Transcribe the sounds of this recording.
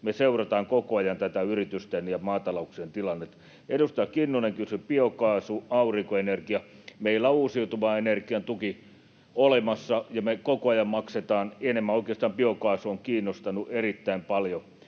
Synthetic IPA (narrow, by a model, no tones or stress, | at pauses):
meseurɑt̪ɑːŋkokoɑjɑnt̪æt̪æyrit̪yst̪enjɑmɑːt̪ɑlouksent̪ilɑnːet̪ | edust̪ɑjɑkinːuneŋkysypiokɑːsuɑuriŋkoenerkiɑmeilːæuːsiut̪uʋɑenerkiɑnt̪uki | olemɑsːɑjɑmekokoɑjɑmmɑkset̪ɑːnenemːæoˑikˑeˑɑst̪ɑːmpiokɑːsuoŋkiːnːost̪ɑnuʔerit̪ːæimpɑljo